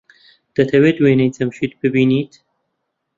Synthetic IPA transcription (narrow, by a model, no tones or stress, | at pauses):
d̪̥ɐt̪ʰɐweːd̪weːnejt͡sɐmʃiːt̪bɨbiːniːt̪ʰ